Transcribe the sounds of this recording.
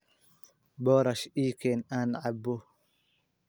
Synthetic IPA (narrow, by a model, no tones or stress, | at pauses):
bɔɾaʃiːkenanʕabːo